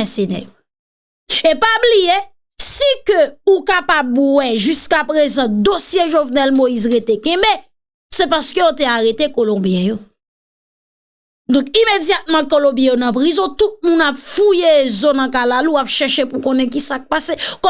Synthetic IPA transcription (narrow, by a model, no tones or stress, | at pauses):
ɛsenɛ̰jo | epablije | sikøukapabwɛʒyskapʁezɑ̃d̪osjeʒovnɛlmoizʁet̪ekɛ̃be | sɛpaskøjot̪eaɣet̪ekolɔ̃bjɛ̃jo | d̪ɔ̃kimed͡zjat̪̚mɑ̃kolɔ̃bjɛ̃jonʌ̃pʁizɔ̃t̪ut̪̚mũnapfujezɔ̃nɐ̃kalaluapʃɛʃepukõnɛ̃k̬isak̚pasekɔ